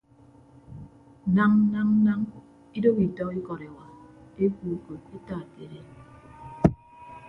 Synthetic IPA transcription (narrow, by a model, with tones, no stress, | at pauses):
na˦ŋ˦na˦ŋ˦na˦ŋ | i˦do˦bi˨tɔ˦i˦kɔ˨ɾe˨wa˨e˦ku˨ko˨t̚e˦taː˦˨ke˨ɾe˦